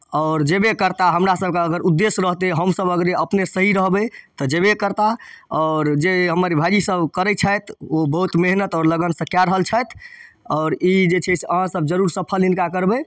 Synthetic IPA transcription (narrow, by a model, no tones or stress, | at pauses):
ɔʊɾd͡ʒebekəɾt̪aɦəmɾasəb̚keəɡəɾud̪ːesɾəɦt̪eɦəmsəbəɡɾeəpnesəɦiɾəɦbet̪ɔd͡ʒebekəɾt̪aɔʊɾd͡ʒeɦəməɾibʱajisəbkəɾɛt͡ʃʰəjt̪ʰobəɦut̪meɦnət̪ɔɾləɡənsəkjaɾəɦəlt͡ʃʰət̪ʰ | ɔʊɾid͡ʒet͡ʃʰɛsəɦãsəb̚d͡ʒəɾuɾsəpʰəlinkakəɾbe